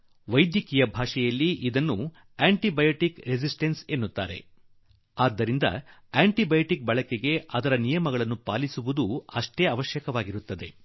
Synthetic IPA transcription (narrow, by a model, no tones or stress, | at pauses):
ʋɐjd̪jɐkijɐbʱaːʂɛjɐlːiʔid̪ɐnːu | aːɳʈibɐjoʈikɾed͡ʒisʈensenːut̪ːa̰ːɾe̞̰ | aːd̪ːɐɾind̪ɐ̰aːɳʈibɐjoʈik̚bɐɭɐkeɡe̞ɐd̪ɐɾɐnijɐmɐɡɐɭɐnːupaːlisuʋud̪uɐʂʈeːɐʋɐʃjɐkɐʋaːɡiɾut̪ːɐd̪e̞